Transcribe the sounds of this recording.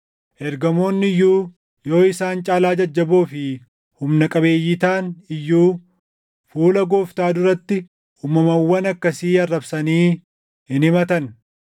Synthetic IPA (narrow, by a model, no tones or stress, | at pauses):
ʔɛɾɡɐmo̞ːnːɪjːuː | jo̞ːɪsaːnt͡ʃʼaːlaːd͡ʒɐd͡ʒːɐboːfɪ | hʊmnɐkʼɐbe̞ːjːɪt̪aːnɪjːuː | fuːlɐɡo̞ːft̪aːd̪ʊɾɐt̪ːɪ | uːmɐmɐwːɐnɐkːɐsiːɐrːɐbsɐniː | ɪnɪmɐt̪ɐn